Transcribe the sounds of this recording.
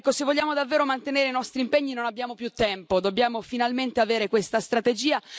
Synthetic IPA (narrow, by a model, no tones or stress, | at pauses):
ɛkːosevːoʎːaːmod̪avːeːɾomant̪eneːɾeinɔst̪ɾimpeɲːinonabjaːmopjut̪ːɛmpod̪objaːmofinalment̪eaveːɾekwest̪ast̪ɾat̪ed͡ʒiːa